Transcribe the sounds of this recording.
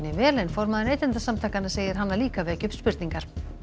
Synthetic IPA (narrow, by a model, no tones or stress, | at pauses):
nɪvɛːlejnfɔɾmaðɪneːjt̪ɛnt̪asamt̪ʰaːkanaseːjðɪɾɦanːaliːkavɛːcʏpspɪɾt̪niŋkaɾ̥